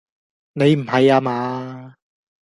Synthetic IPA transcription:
ne˨˧jm̩˨˩hɐ˨jaː˧maː˨˧

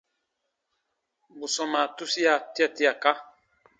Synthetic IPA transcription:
bu˨sɔ˨ma˨tu˦si˦a˦˨ti˦a˨ti˦a˨ka˦

